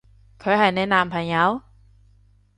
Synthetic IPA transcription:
kʰɔː˨˥jɦa˧˩jnɛː˥˨naː˧mpʰa˧ɲa˦˥w

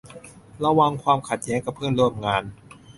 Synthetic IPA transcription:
ɾa˧wa˧ŋkʰwaː˧mkʰa˨˩t̪̚jɛː˦˥ŋka˨˩pʰːɯː˥˩˨nɾu˥˩əmŋaː˧n

